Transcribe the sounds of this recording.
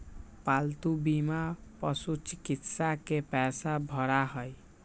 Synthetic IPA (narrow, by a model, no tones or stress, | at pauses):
palt̪ubimapɔsut͡ʃikit̪sakepɛsabʱɔɾaɦɔj